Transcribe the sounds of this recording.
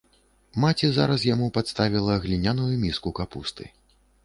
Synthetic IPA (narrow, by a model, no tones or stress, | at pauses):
mat͡sʲiza̰ɾɐs̬jamupat̪st̪avʲilˠɐɣlʲinʲanujumʲiskukapṵst̪ɨ̰